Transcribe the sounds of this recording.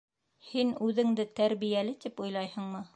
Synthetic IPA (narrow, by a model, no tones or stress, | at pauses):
hinʉðɘ̆ŋd̪ɘt̪æɾβijælɘt̪ipujlˠɑjhɤ̆ɴmɤ